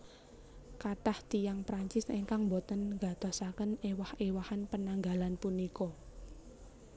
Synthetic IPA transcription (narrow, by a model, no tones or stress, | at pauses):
kataht̪ijaŋpɾaɲt͡ʃɪseŋkaŋmbot̪ənŋɡa̤d̪̥ɔ̤sakənewahewahanpənaŋɡa̤lanpunikɔ